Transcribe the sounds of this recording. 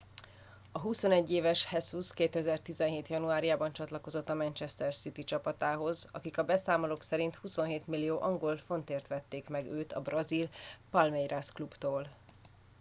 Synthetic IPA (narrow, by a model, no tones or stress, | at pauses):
ɒɦuso̞nɛɟːeːvɛʃhɛsuskeːt̪ɛzɛrt̪izɛnɦeːt̪jɒnuaːɾijaːbɒnt͡ʃɒt̪lɒko̞zo̞t̪ːɒmɛnt͡ʃɛst̪ɛrsit̪it͡ʃɒpɒt̪aːɦo̞zɒ̰kikɒbɛsaːmoloksɛɾint̪huso̞nɦeːt̪milːijoːʔɒŋɡo̞lfo̞nt̪eːrt̪ʋɛt̪ːeːkmɛɡøːt̪ɒ̰brɒzilpɒlmɛjrasklubt̪oːl